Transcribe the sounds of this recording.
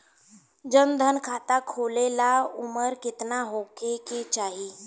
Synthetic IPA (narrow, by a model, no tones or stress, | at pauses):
d͡zənd̪ʱənkʰat̪akʰolelauməɾkit̪naɦokʰeket͡ɕaɦi